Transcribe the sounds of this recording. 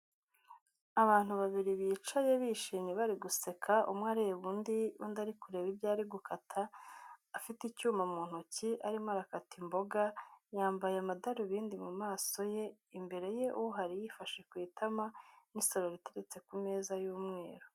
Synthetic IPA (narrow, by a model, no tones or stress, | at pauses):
aβaːn̥huβaβiɾiβiːt͡ʃaje̞βiʃiːɲeβaɾiɡuse̞kʰaʔṵmŋaːɾejeβuːndiundaɾikuɾe̞ːβibjaːɾiɡukʰatʰaː | fiticuːmamuːn̥huciʔaɾimaɾakatʰimbo̞ɡajaːmbajeamadaɾuβiːndimumaːso̞je̞ | imbe̞ɾe̞je̞ʔuɦaɾijifaʃe̞kwiːtamaniso̞ɾoɾite̞ɾe̞t͡se̞kumeːzajuːmŋe̞ːɾo̥